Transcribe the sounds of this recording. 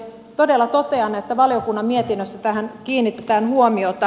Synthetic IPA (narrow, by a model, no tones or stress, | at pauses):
t̪odelːɑt̪ot̪eɑnːɑet̪ːæʋɑlijokunːɑmmiet̪inːøst̪ːæt̪æɦænkiːnːit̪ːet̪æːnhuomiot̪ɑ